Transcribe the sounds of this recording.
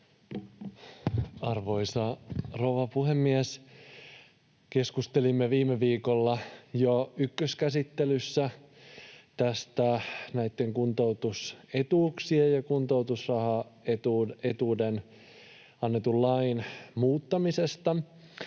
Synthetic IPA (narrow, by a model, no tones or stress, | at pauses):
ɑrʋo̞isɑrouʋɑpuhemːies | ke̞skust̪elimːeʋiːmeʋiːkolːɑjoykːøskæsit̪ːelysːæ | t̪æst̪ænæit̪ːe̞ŋkunt̪owt̪uset̪uːksiejɑkunt̪owt̪usrɑhɑet̪uet̪uːden | ɑnːe̞t̪ullɑinmuːt̪ːɑmise̞st̪ɑ